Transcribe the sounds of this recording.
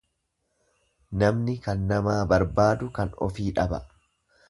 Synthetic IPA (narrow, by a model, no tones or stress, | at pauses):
nɐmnɪkɐnːɐmaːbɐɾbaːd̪ʊkɐnɔ̰fiːᶑɐbɐ